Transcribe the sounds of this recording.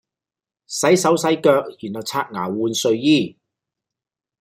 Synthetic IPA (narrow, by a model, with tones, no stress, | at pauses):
sɐ˨˥jsɐ˨˥wsɐ˨˥jkœː˧k̚jyː˨˩nhɐ˨˩wt͡sʰaː˧t̚ŋaː˨˩wuː˧nsɵ˧ɥjiː˥˩